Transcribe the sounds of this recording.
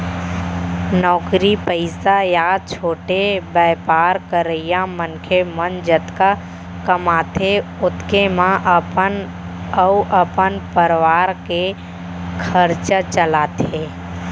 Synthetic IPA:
nɔːkɾipəɪsajaːt͡ʃʰoːʈebəːpaːɾkəɾəɪjãmənkʰemənd͡ʒət̪ka | kəmaːt̪ʰeʊt̪kemãʔən | əuʔəpənpəɾʋaːɾke | kʰəɾt͡ʃət͡ʃəlaːt̪ʰe

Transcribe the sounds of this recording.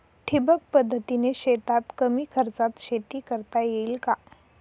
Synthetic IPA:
ʈʰibək̚pəd̪ʱːət̪ineɕet̪at̪kəmiːkʰəɾt͡sat̪ɕet̪iːkəɾt̪ajeilka

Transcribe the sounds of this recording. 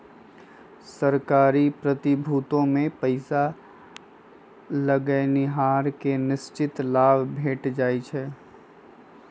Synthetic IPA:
sɐɾkaːɾipɾət̪ɪbʱuːt̪õmẽpəɪsa | ləɡənɪɦaːɾkenɪst͡ʃɪt̪laːbbʱeːʈd͡ʒaːit͡ʃʰɛː

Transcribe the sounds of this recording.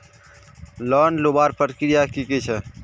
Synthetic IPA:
lɔːnlobaːɾpəʈkɾijakiket͡ʃʰɛ

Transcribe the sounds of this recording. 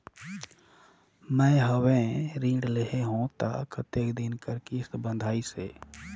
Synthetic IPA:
mə̃ɦəwẽɾĩːɖleɦeɦũt̪a̰kʰt̪eːkd̪inkəɾkist̪bə̃nd̪ʱaːiseː

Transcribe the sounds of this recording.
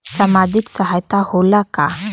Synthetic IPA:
samad͡ʒiksəɦajt̪aholaka

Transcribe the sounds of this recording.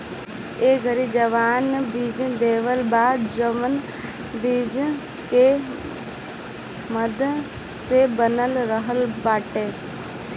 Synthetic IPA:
eːɡʱəɾid͡ʒəʋaːnbiːd͡ʒd̪eːʋəlbaːd̪̚d͡ʒəmən | biːd͡ʒ | ke | məd̪ʱ | sebənəlɾəɦəlbaːʈeː

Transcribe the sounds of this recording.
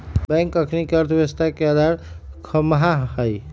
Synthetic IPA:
bɛ̃ŋkəkʰnikeəɾt̪ʰʋeəst̪ʰakeəd̪ʱaɾ | kʰəmɦaɦəj

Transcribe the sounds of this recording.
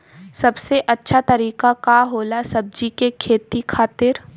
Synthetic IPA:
sɐbseʔɐtːʃʰat̪ɐɾiːkakaɦoːlasɐb̚d͡ʒikekʰeːt̪ikʰaːt̪ɪɾ

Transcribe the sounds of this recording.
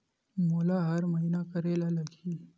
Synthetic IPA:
moːlaɦəɾməɦinakəɾelaləɡʱiː

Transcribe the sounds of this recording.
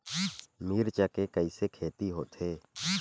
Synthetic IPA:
miːɾt͡ʃəkekəiːsekʰeːt̪iɦo̰ːt̪ʰeː

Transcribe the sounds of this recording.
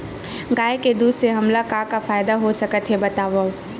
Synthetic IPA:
ɡaːeked̪uːd̪seɦɐmlakakafaːjd̪aɦosɐkət̪ɦebɐt̪aːʋə

